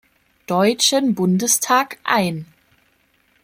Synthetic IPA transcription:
d̥ɔʏt͡ʃənbʊndəstʰaːkʔa̰ɪn

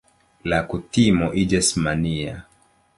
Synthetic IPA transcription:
lakutimɔʔid͡ʒɛsmania̰

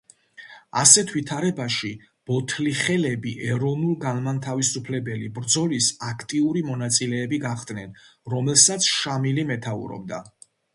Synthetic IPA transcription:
asɛt̪ʰwit̪ʰaɾɛbaʃi | b̥ɔt̪ʰliχɛlɛbiʔɛɾɔnulˠɡanmant̪ʰavisupʰlɛbɛlibɾd̪zɔlisakʰt̪ʼiuɾimɔnat̪sʼilɛːbiɡaχd̪nɛnɾɔmɛlsat̪sʰʃamilimɛt̪ʰaṵɾɔ̰b̚d̪a̰

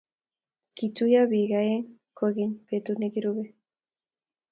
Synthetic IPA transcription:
kit͡sujaβiɣajeŋkoɣiɲbet̪unekiɾuβe

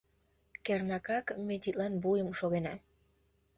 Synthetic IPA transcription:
kernɑkɑkmet̪it̪lɑnβujəmʃoɣenɑ

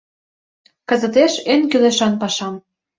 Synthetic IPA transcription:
kɤ̆zə̆t̪eʃenkyleʃɑnpɑʃɑm

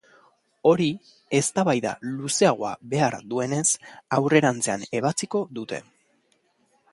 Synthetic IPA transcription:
o̞ɾi | e̞st̪aβajða̰luse̞aɣ̞o̞a̰βe̞aɾðue̞ne̞sawre̞ɾant͡se̞ane̞β̞at͡siko̞ðut̪e̞̰

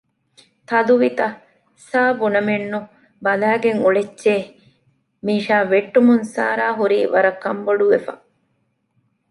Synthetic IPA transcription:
t̪ɐluʋit̪ɐ | saːbunɐmenːu | bɐlæːɡeŋuɭet͡ʃːʃeː | miːʃaːʋeʈːumunsa̰ːɾaːɦuɾiːʋɐɾɐkːɐmboɖuʋefɐ̰

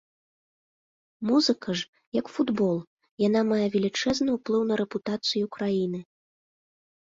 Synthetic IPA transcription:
muzɨkɐʐ | jɐkfud̪bɔlˠ | jan̪amajɛvʲɛlʲit͡ʂɛznɨwplˠɨwnɐɾɛput̪at̪sɨjukɾajinɨ

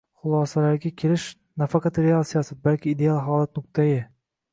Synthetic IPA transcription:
χʊlˠɒsalaɾɡʲakʲʰe̞lɪʃ | nafɑqɑt̪ɾeasijasɪbalkʲʰɪːd̪e̞alˠɦɒːlˠat̪nʊkt̪ʰajɪ

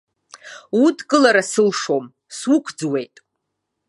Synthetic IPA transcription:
udkʼɨlaɾasɨlʂo̞m | swʊkʷʰd͡zwe̞jtʼ

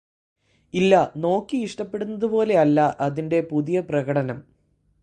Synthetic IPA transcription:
ilːɐno̞ːkːiiʂʈɐpːe̞ɽunːɐðupo̞ːle̞ɐlːɐʔɐðinde̞puðijɐprɐɣɐɽɐnɐm

